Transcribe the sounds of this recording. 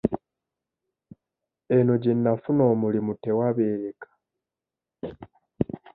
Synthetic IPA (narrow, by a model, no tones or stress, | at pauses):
enoɟinːafuno̞ːmulimute̞waβe̞ːɾekḁ